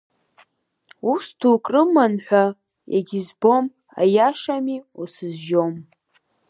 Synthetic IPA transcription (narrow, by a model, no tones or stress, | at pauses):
ustʰukʼrɨmanħʷᶣa | ja̰ɡʲizbo̞m | a̰jaʂamiusɨzʒom